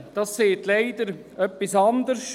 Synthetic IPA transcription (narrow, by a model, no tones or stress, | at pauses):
d̥ɑsːeːt̪leɪd̥̪əɾ | œpːisɑnd̪əɾs